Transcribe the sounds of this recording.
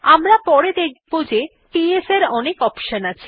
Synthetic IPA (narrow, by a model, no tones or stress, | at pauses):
amɾapɔɾed̪ek̚ʰbod͡ʑe | ʈieseɾɔnekɔpʃanat͡ɕʰi̥